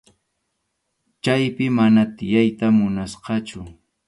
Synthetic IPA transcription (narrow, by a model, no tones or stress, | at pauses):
t͡ʃajpɪmanat̪ɪjajt̪amʊnasqɑt͡ʃʊ